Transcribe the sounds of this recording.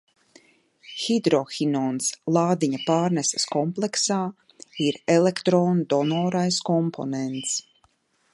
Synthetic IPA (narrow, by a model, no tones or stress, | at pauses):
xid̪ɾɔxinɔːnslˠaːd̪iɲapaːɾnɛsaskɔmplˠɛksaː | iɾɛlekt̪ɾoːnud̪ɔnɔːɾajskɔmpʰo̰nɛnt̪s